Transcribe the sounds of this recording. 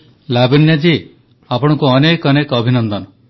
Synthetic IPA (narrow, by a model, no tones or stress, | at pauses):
labinjad͡ʒe | apɔɽ̃ɔkuɔnekɔnekɔbʱinɔnd̪ɔnɔ